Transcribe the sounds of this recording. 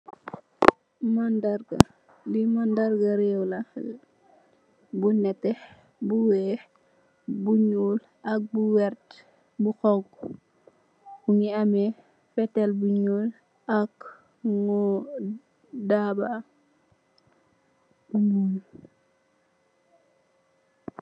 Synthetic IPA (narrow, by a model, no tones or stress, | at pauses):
mandaɾɡa | limandaɾɡaɾɛwla | bunɛtːɛ | buwɛː | buɲuːl | ɐk̚buwɛrt | buxɔŋk | uŋiamɛ | fɛtɛlbuɲuːl | ak | ŋɔ | daba